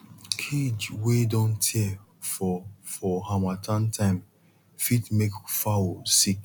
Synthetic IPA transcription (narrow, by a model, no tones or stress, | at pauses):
kʰid͡ʒwedõntʰɛ | fɔfɔhamatʰãntʰãɪ̃m | fitmekfawsik